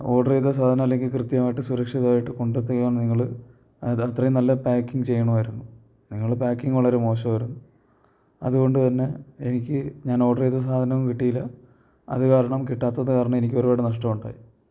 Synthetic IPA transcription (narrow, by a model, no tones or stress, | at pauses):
o̞ːɽɐrejt̪ːɐs̬aːd̪ʱɐnɐmɐlːeŋɡɨkrɨt̪jɐmaːjiʈːɨsuɾɐkʂiðaːjiʈːɨko̞ɳɖt̪̬ːekːjaːɳniŋːɐɭɨ | ɐt̪rɐjunɐlːɐpaːkːiŋɡɨt͡ɕe̞jːɐɳɐmʋɐɾunːu | niŋːɐɭpaːkːiŋɡuɭːɐɾumo̞ːɕɐmʋɐɾunːu | ɐ̰ðuɣo̞ɳɖɨt̪ɐnːe̞enikʲːɨɲaːno̞ːɽɐrejt̪ːɐs̬aːd̪ʱɐnɐʋumkiʈːijilːɐ | ɐ̰ðɨkaːɾɐɳɐmkiʈːaːt̪ːɐðɨkaːɾɐɳɐme̞nikʲːo̞ɾubaːɽenɐʂʈɐmuɳɖa̰ːji